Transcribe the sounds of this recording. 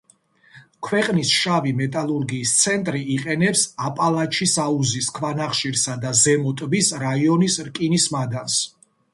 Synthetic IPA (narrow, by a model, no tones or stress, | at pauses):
kʰwɛqʼnisʃavimɛt̪ʼalˠuɾɡiːst̪sʰɛnt̪ʼɾiiqʼɛnɛpsapʼalˠat͡ʃʰisauziskʰvanaχʃiɾsad̪azɛmɔt̪ʼbisɾaiɔnisɾkʼinismad̪ans